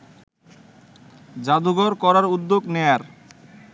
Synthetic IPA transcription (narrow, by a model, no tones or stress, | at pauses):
d͡ʑad̪uɡɔɾkɔɾaɾud̪ːoɡneaɾ